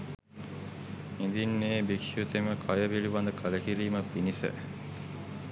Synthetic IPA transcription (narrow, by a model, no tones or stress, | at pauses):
ind̪inːeːbikʃjut̪eməkʰɐjəʋiliʋɐnd̪əkʰələkiɾiːməpinisə̰